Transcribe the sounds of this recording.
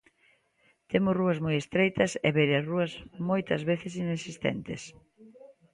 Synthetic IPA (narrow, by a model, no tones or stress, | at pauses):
t̪emʊsruɐzmojest̪ɾejt̪ɐsɛβeɾaruɐsmojt̪ɐzβeθes̬inesist̪ɛ̰nt̪ɪ̰s